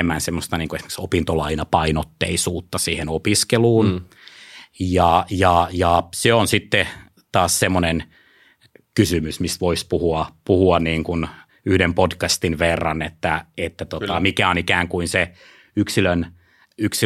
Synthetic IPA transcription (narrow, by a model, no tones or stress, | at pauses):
mːænsemːost̪ɑniːŋkoesmeksopint̪olɑinɑpɑinot̪ːḛisuːt̪ːɑsiːhenopiskeluːn | jɑjɑjɑseonsit̪ːe | t̪ɑːssemːonen | kysymysmist̪ʋoispuhuɑpuhuɑnniːŋkun | yhdempodkɑst̪inʋerːɑnet̪ːæet̪ːæt̪ot̪ɑmikæonikæːŋkuinse | yksiløn | yksi